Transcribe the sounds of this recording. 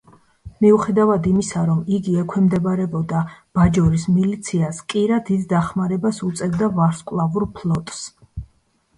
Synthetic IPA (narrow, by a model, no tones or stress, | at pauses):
miuχɛd̪avad̪imisaɾɔmiɡiɛkʰwɛmd̪ɛbɾɛbɔd̪ab̥ad͡ʒɔɾismilit̪sʰiaskʼiɾad̪id̪d̪aχmaɾɛbasut̪sʼɛvd̪avaɾskʼwlˠavuɾpʰlˠɔt̪ʼs